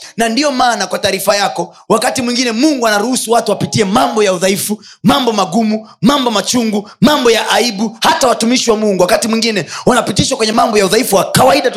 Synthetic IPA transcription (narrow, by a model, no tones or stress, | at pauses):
nandiɔmaːnakwataːɾifajakɔ | wakatimwiŋɡinɛmuŋɡuanaɾuhusuwatuwapitiɛmambɔjauðaifu | mambɔmaɡumumambɔmat͡ʃuŋɡumambɔjaʔaiɓuhatawatumiʃiwamuŋɡuwakatimwiŋɡinɛwanapitiʃwakwɛɲɛmambɔjauðaifuwakawaiɗa